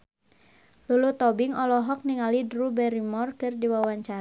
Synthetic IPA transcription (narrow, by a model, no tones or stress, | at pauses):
lulut̪ɔbɪŋɔlɔɦɔk̚niŋalidrubɛɾimɔrkɨrdiwawaɲt͡ʃa